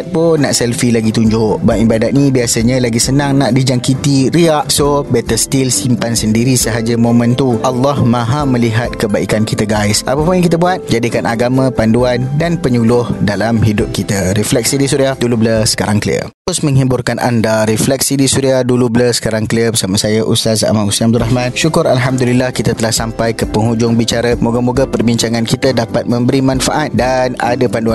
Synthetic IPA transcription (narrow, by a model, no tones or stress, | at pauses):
t̪̚ponaʔsɛlfilaɡit̪uɲd͡ʒʊʔbaʔibadat̪̚nibiasaɲãlaɡisənãŋnaʔdid͡ʒaŋkit̪iɾiaʔsobɛt̪əst̪ilsimpansəndiɾisəɦad͡ʒamõmə̃nt̪uʔalːɔhmãɦamə̃liɦat̪̚kəbaikankit̪aɡaɪsʔa̰papʊnjaŋkit̪əbuat̪̚d͡ʒadikanʔaɡamãpanduandanpəɲulʊhdalamɦidʊp̚kit̪aɾɛflɛk̚sidisuɾiahdulubləsə̥kaɾaŋklḭə̰ | ʊsmə̃ŋɦibʊrkanʔa̰ndaɾɛflɛk̚sidisuɾiahdulubələsə̥kaɾaŋkəliəbəsamasajaʔṵst̪as̬a̰mausamb̚d̪uraɦmãnʃukʊɾalɦamd̪ulilahkit̪at̪əlahsampajkəpəŋud͡ʒʊŋbit͡ʃaɾamuɡamuɡapərbiɲt͡ʃaŋãnkit̪adapat̪̚mə̃mbəɾimãnfaʔat̪̚dana̰dapandua